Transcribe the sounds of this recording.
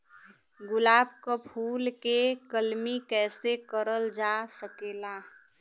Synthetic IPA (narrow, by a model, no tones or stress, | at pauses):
ɡʊlaːbkapʰuːlkekəlmikɛːsekəɾəld͡ʒaːsəkeːlaː